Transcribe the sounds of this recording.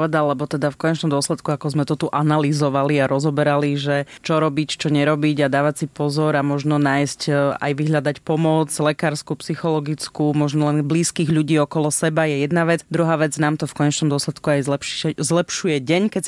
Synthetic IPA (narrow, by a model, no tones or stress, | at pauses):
pɔʋɛd̪alːɛbɔt̪ɛd̪afkɔɲɛt͡ʃnɔmd̪ʊɔslɛt̪kuakɔzmɛt̪ɔt̪uʔanalizɔʋaliaɾʔɔzɔbɛɾaliʒɛt͡ʃɔɾɔbict͡ʃɔɲɛɾɔbiɟad̪aːʋasipɔzɔɾamɔʒnɔnaːjsca̰jʋiɦʎad̪acpɔmɔd͡zlɛkaːɾskupsixɔlɔɡit͡skumɔʒnɔlɛnbliːskiːɣʎuɟiːɔkɔlɔsɛbajɛjɛd̪naʋɛd͡zd̪ɾuɦaːʋɛd͡znaːmt̪ɔfkɔɲɛt͡ʃnɔmd̪ɔslɛt̪kuajzlɛpʃzlɛpʃujɛɟɛɲkɛs